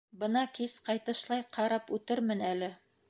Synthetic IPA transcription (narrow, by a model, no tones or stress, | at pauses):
bɤ̆nɑkisqɑjt̪ɤ̆ʃlˠɑjqʰɑɾɑpʉt̪ɘɾmɘnælɘ